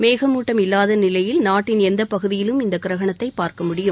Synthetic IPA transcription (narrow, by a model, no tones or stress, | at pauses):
meːɣɐmuːʈːɐmɪlːaːðɐnɪlɐjɪlnaːʈːɪnɛnd̪ɐpɐɣɯðɪjɪlɯmɪnd̪ɐkɪɾɐɣɐɳɐt̪ːɐɪpːaːɾkɐmʊɽɪjɯm